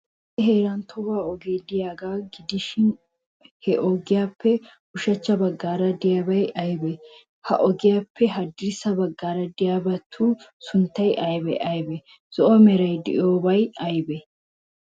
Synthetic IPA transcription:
ɛɦeːɾɐnt̪ʰɔwaːɔɡeːd̪ɪjaːɡaːɡɪd̪ɪʃɪn | hɛʔɔɡɪjaːpʰːɛ | ʊʃɐt͡ʃːɐbɐɡːaːɾɐd̪ɪjaːbɐjɐjbɛ | hɐ̰ʔɔɡɪjaːpʰːɛɦɐd̪ɪɾsɐbɐɡːaːɾɐd̪ɪjaːbɐt̪ʰːuːsʊnt̪ːɐjʔɐjbɛʔɐjbɛ | z̥ɔʔɔmɛɾɐjd̪ɪ̰ʔoːbɐjɐjbɛ

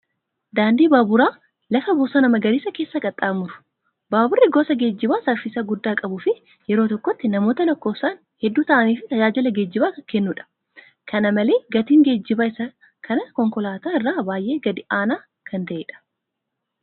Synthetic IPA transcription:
d̪aːnd̪iːbaːbʊɾaː | lɐfɐbʊːsɐːnɐmɐɡɐɾiːsɐkeːsːɐkʼɐt̪ʼːaːmʊɾʊ̥ | baːbʊrːɪɡɔːsɐɡe̞ːd͡ʒːɪbaːsɐɾfɪsɐɡʊd̪ːaːkʼɐbʊːfɪ | jɛɾo̞ːt̪ɔkːɔt̪ːɪnɐmo̞ːt̪ɐlɔkːoːsaːn | hɛd̪ːuːt̪ɐʔɐniːfɪt̪ɐd͡ʒaːd͡ʒɪlɐɡeːd͡ʒːɪbaːkɛnːuːᶑɐ̥ | kʰɐnɐmɐle̞ːɡɐt̪iːŋɡe̞ːd͡ʒːɪbaːɪsɐ | kʰɐnɐkɔŋkɔlaːt̪aːɪrːaːbaːjʔe̞ːɡɐd̪ɪʔaːnaː | kʰɐnt̪ɐʔeːᶑɐ̥

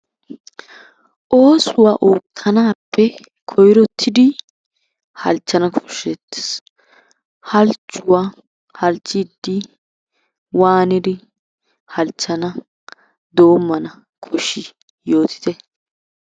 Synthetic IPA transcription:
ʔo̞ːsʊwaːʔoːtʰːɐnaːpːɛ | kʰɔjɾɔt̪ʰːɪd̪ɪ | hɐ̰lt͡ʃːɐnɐkʰɔ̥ʃet̪ːɛ̥s | hɐlt͡ʃʼːʊwa | hɐlt͡ʃʼːɪd̪ːɪ | waːnɪd̪ɪ | hɐlt͡ʃːɐnɐ | d̪o̞ːmːɐnɐ | kʰɔʃɪ | jo̞ːt̪ʰɪ̥t̪ɛ

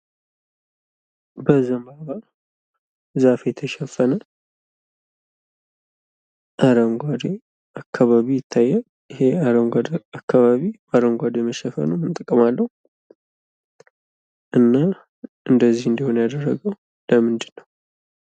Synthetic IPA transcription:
bəzəmbaβa | zafejɛt̪ʰəʃɛfːənə | ʔaɾəŋɡʷad̪e | akʰːaβaβijɪt̪ʰːajːɛ | jɪheaɾəŋɡʷad̪akʰːaβaβibaɾəŋɡʷad̪jɛməʃɛfə̰numɨnt̪ʼəkʼːəmalːəhu | ʔɨnːa | ʔɨnd̪əzːihɨnd̪iho̞njad̪ərːəɡəw | ləmɨnd̪ɨnːəw

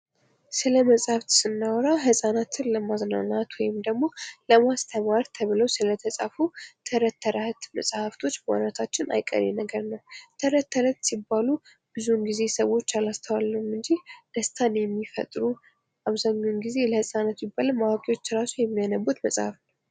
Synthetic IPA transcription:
sɨləməsʼhaft̪sɨnːəwɔɾawɦɨsʼanat̪ʰɨnləmazna̰nat̪wɔjɪmd̪əɡmo̞ləmast̪ʰəmaɾt̪ʰəβɨləwsɨlət̪ʰəsʼa̰fut̪ʰəɾət̪ʰːəɾaht̪mə̰sʼhaft̪ʰo̞t͡ʃːbəwa̰nat̪ʰat͡ʃːɪna̰jkʼːə̰ɾḛnəɡəɾnəwt̪ʰəɾət̪ʰːəɾət̪sibːalu | b̥ɨzunɡize̞səwːo̞t͡ʃːalast̪ʰəwalːəumɨnd͡ʒid̪̥əst̪ʰanjɛmːifə̰t̪ʼɾu | ʔaβzaɲːonɡizeləhɨsʼanat̪jɪbːaləmawakʼiwo̞t͡ʃːɾasujɛmːianəbːut̪məsʼhafnəw

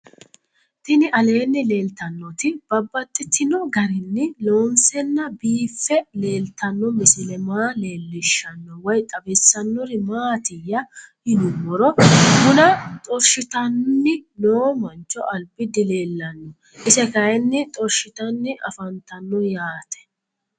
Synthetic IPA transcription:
t̪ɪnɪʔɐle̞ːnːɪle̞ːlt̪ɐnːɔt̪ɪb̥ɐbːɐt̪ʼːɪt̪ʰːɪnɔɡɐɾɪnːɪloːnsɛnːɐbiːfːɛle̞ːlt̪ɐnːɔmɪsɪlɛmaːleːlːɪʃːɐnːɔwɔjt̪ʼɐbɪsːɐnːɔɾɪmaːt̪ɪjːɐhɪnʊmɔɾɔmʊnɐt̪ʼɔɾʃɪt̪ɐnnːɪnoːmɐnt͡ʃːɔʔɐlbɪd̪ɪleːlːɐnːɔ | ʔɪsɛkɐjɛnːɪt̪ʼɔɾʃɪt̪ɐnːɪʔɐ̰fɐnt̪ɐnːɔjaːt̪ʰɛ̥

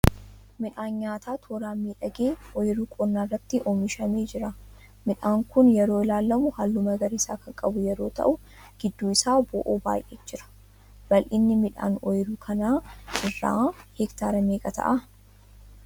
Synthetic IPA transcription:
mɪᶑaːnɲaːt̪aːt̪ʰoːɾaːmːiːᶑɐɡeːɔjɾuːkʼɔnːaːrːɐt̪ːɪʔoːmɪʃɐmeːd͡ʒɪɾɐ | mɪᶑaːŋkʊnjɛɾo̞ːɪlaːlːɐmʊhalːʊmɐɡɐɾisaːkɐŋkʼɐbʊjɛɾo̞ːt̪ɐ̰ʔʊ | ɡ̥ɪd̪ːuːɪsaːbɔʔoːba̰ːjʔḛːd͡ʒɪɾɐ̥ | b̥ɐlʔɪnːɪmɪᶑa̰ːnɔjɪɾuːkʰɐnaːʔɪrːa̰ːhɛkt̪aːɾɐmeːkʼɐt̪ʰɐ̰ʔɐ

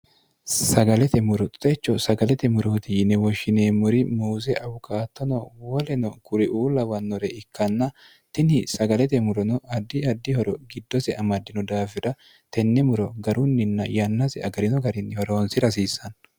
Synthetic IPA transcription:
sɐɡɐlɛt̪ɛmʊɾɔt̪ʼʊ̥t̪ʼɛt͡ʃːɔsɐɡɐlɛt̪ɛmʊɾoːt̪ɪnɛwɔʃːɪneːmʊɾɪmuːzɛʔɐbʊkʰaːt̪ːɔnɔwɔlɛnɔkʊɾɪʔuːlɐwɐnːɔɾɛɪkːɐnːɐ | t̪ɪnɪsɐɡɐlɛt̪ɛmʊɾɔnɔɐd̪ːɪɐd̪ːɪhɔɾɔɡɪd̪ːɔsɛʔɐmɐd̪ːɪnɔd̪aːfɪɾɐ | t̪ɛnːɛmʊɾɔɡɐɾʊnːɪnːɐjɐnːɐsɛɐɡɐɾɪnɔɡɐɾɪnhɔɾo̞ːnsɪɾɐs̬iːsɐn

